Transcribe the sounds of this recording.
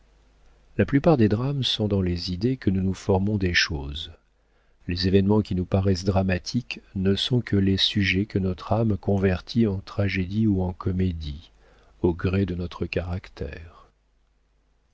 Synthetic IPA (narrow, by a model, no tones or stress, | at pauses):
laplypaʁd̪ed̪ʁamsɔ̃d̪ɑ̃lezid̪ekənunufɔʁmɔ̃d̪eʃoːz | lezevɛnmɑ̃kʲinupaʁɛsd̪ʁamat̪ʰiknəsɔ̃kʰəlesyʒɛkənɔt̪χamkɔ̃vɛʁt̪ʰiɑ̃t̪χaʒed̪iuɑ̃kʰɔmed̪i | oɡʁed̪ənɔt̪χəkaʁakt̪ʰɛ̰ːʁ